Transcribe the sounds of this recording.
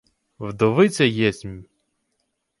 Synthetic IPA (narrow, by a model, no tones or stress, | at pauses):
wd̪ɔʋɪt͡s̪ʲɛjɛsʲmʲ